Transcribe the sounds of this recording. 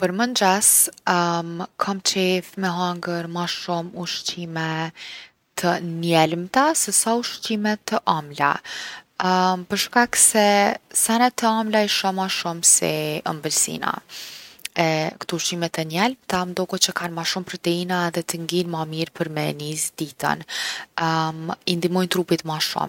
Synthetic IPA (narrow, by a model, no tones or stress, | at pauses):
pəɾmənd͡ʑas | mkʰamt͡ʃɛfmɛɦaŋɡəɾmaʃumuʃt͡ɕimɛ | t̪ʰənjɛlmt̪asɛsauʃt͡ɕimɛt̪ːəʔamla̰ | pəɾʃkaksɛsanat̪ːəamlaiʃɔmaʃumsɛ̰ə̰mbəlsḭna̰ | ɛkt̪uuʃt͡ɕimɛt̪ənjɛlmt̪amnd̪ɔkut͡ɕəkanmaʃumpɾɔt̪ɛinaɛðɛt̪əŋɡinmamiɾpʰəɾmɛnizd̪it̪a̰n | mind̪imɔjnt̪ɾupit̪maʃṵm